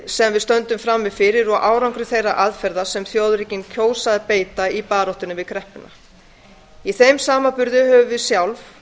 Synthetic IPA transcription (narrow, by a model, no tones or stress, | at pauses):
sɛmvɪðst̪œnt̪ʏmfɾamːɪfɪɾɪɾɔɣʔaːwɾawŋkɾʏθejrːa̰ʔaðfɛɾðasɛmθjowðɾicɪncʰoːwsaðɪpeːjt̪aipaːɾɔht̪ʏnʏvɪðkʰɾɛhpɪna̰ | iθejmsaːmapʏɾðʏhœːvʏvɪðsjawlf